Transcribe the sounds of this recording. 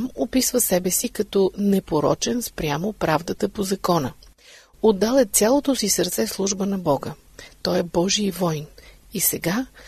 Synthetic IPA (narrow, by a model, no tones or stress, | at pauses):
amopisvəsɛbɛsikɐt̪ɔnɛpoɾɔ̰t͡ʃɛnspɾʲjamopɾavd̪ət̪əpozɐkɔnə | od̪ːalˠɛt̪sʲjalˠot̪osisəɾt̪sɛslˠuʒbənɐbɔɡə | t̪ɔjɛbɔʒiəvɔjn | isɛɡa